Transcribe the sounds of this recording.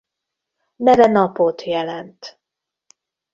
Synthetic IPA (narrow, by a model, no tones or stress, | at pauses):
nɛɾɛnɒpot̪jɛlɛnt̪